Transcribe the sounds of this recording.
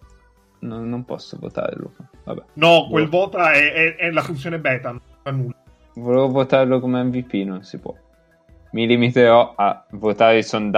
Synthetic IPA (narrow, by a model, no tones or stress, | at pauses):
nonːompɔ̰sːovo̰t̪a̰ɾlo̰kva̰bɛnɔkwelvɔːt̪aɛɛɛlafunt̪s̬joːnebɛːt̪an | anu | volevovot̪aɾlokomeɛmvipːinonsipwɔ̰ | milimit̪eɾɔavːot̪aːɾeisond̪